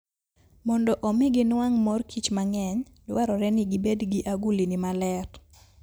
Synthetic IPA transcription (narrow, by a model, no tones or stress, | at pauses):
mɔndɔʔɔmɪɡɪnwaŋmɔrkʰit͡ʃmaŋɛɲ | lwaɾɔɾɛnɪɡɪbedɡiʔaɡulinɪmalɛɾ